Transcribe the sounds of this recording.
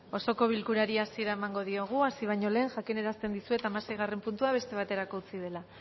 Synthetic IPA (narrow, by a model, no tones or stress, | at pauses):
o̞so̞ko̞β̞ilkuɾaɾiasie̞ɾae̞maŋɡo̞ðio̞ɣ̞uasiβ̞aɲo̞le̞ːnʝakine̞ɾast̪e̞nd̪isue̞t̪amase̞jɣ̞are̞mpunt̪uaβ̞e̞st̪e̞β̞at̪e̞ɾako̞ut͡sið̞e̞la